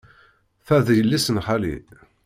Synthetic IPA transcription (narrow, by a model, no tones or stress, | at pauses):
θæðjəlːisənħalḭ